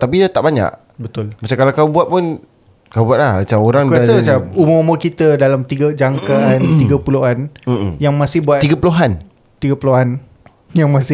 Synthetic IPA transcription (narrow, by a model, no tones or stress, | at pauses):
t̪ap̬idat̪aʔbaɲa̰ʔ | bət̪ʊlmat͡ʃakalakawbuat̪̚pʊn | kawbuat̪̚lahat͡ʃamoɾaŋkuasəmat͡ʃamumouməkit̪ədalamt̪iɡəd͡ʒaŋkaant̪iɡəpuloʔan̩jaŋmãsɪhbuat̪iɡəpəloɦan | t̪iɡəpəloan | jaŋmãsɪ